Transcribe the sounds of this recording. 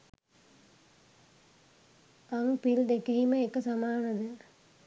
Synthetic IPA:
ɐŋpild̪ekɐɦiməekːɐsamaːnɐd̪ɨ

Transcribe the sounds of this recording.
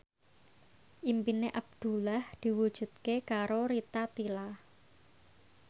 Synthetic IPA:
ʔimpineʔab̚d̪̥ṳlahd̪̥i̤wud̥ʒ̥ṳt̪̚kekaɾoɾit̪at̪ila

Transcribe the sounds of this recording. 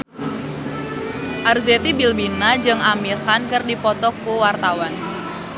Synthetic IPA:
ʔarzet̪ibilbinad͡ʒɨŋamirhankərdipɔt̪ɔkuwart̪awan

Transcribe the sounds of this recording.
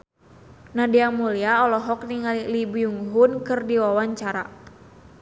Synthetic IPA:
nadiamuliaɔlɔɦɔk̚niŋalilibujuŋɦunkɨrdiwawaɲt͡ʃaɾa

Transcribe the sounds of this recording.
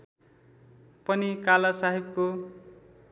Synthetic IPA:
pʌnikalasaɦibko

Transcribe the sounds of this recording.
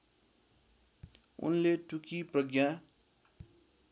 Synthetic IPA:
ṵnleʈukiprʌɡja

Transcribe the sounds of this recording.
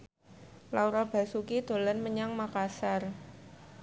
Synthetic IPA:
lauɾab̥a̤sukid̪̥o̤lanməɲaŋmakasar

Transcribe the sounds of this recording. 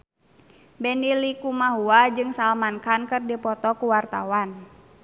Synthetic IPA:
bɛnilikumaɦuad͡ʒɨŋsalmankankɨrdipɔt̪ɔkuwart̪a̰wan

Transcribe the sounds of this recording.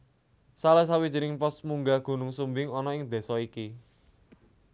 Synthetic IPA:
salɛs̬awid̥d͡ʒi̤ɾɪŋpɔsmuŋɡaɡ̥ṳnʊŋsumbɪŋɔnɔɪŋd̪̥e̤sɔiki

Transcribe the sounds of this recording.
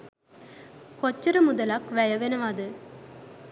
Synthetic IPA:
kot͡ʃːəɾəmud̪ɐlakʋæjɐʋenəʋad̪ə

